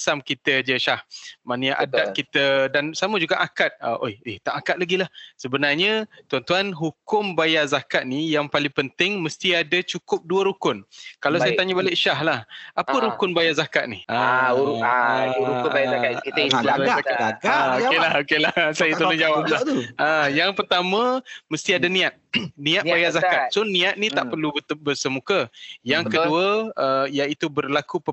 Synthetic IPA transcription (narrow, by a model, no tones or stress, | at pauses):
samkit̪əd͡ʒəʃahmanəjaʔadaʔ̚kit̪ədansaməd͡ʒuɡaʔakat̪̚əʔojɪht̪aʔakat̪̚laɡilahsəbənarɲət̪uant̪uanɦukʊmbajazakat̪̚nijaŋpalɪŋpənt̪ɪŋməst̪iadat͡ʃukʊp̚duəɾukʊnkalawsajət̪aɲabalɪʔʃaɦlahapəɾukʊnbajazakat̪̚niha | ukajaaaiaaakaaɡaaokelahokelahsajat̪əlʊd͡ʒawap̚laajaŋpərt̪amãməst̪iadanĩat̪̚nĩat̪bajazakat̪̚sʊnːĩat̪̚nĩt̪aʔpərlubərsəmukəjaŋkəduəəijait̪ubərlaku